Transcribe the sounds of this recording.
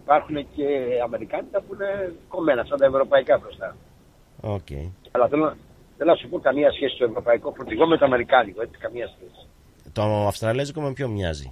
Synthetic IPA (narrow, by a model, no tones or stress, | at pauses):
ipɐɾxune̞ce̞ɐme̞ɾikɐnit̪ɐpuine̞ko̞me̞nɐft̪ɐnt̪ɐevɾo̞pɐikɐbɾo̞st̪ɐ | ocḛi | ɐlɐθelon | θelonɐsupo̞kɐmiɐsçe̞sist̪o̞e̞vɾo̞pɐiko̞fot̪iɣo̞met̪oɐme̞ɾikɐnikoet͡s̪i̥kɐmiɐsçesi̥ | t̪oɐfst̪ɾɐlezikomempçomɲɐ̰zḭ